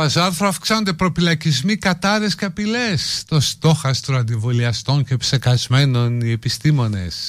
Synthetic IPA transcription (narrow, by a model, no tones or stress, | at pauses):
pɐsɐɾθɾoɐfksɐnond̪epɾo̞filɐcizmikɐt̪ɐɾe̞sceɐpilest̪o̞st̪o̞xɐst̪ɾoɐnd̪ivoliɐst̪o̞nce̞psekɐzme̞no̞nie̞pist̪imo̞ne̞̰s